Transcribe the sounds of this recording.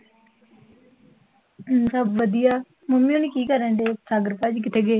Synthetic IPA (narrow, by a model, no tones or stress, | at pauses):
səbʋəd̪ijaː | mʊmĩːoːniːkiːkəɾəɳɖeːsaːɡəɾkaːd͡ʒkɪt̪eːɡeː